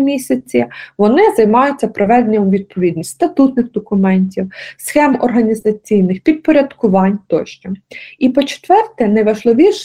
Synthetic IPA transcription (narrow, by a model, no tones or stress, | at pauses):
mʲisʲɐt͡sʲiʋɔnɪzɐjmɑjʊt͡sʲːɐpɾɔʋɛd̪enʲɔmʋʲid̪̚pʰɔʋʲid̪nʲisʲt̪ʲst̪ɐt̪ut̪nɪxd̪ɔkʊmɛnʲtʲiwsxɛmɔrɦɐnʲizɐt͡sʲijnɪxpʲid̪̚pɔɾʲɐd̪kʊʋɑnʲt̪ɔʃt͡ʃɔipɔt͡ʃe̥t̪ʋɛrt̪ɛnɐjʋɐʒlˠɪʋʲiʃ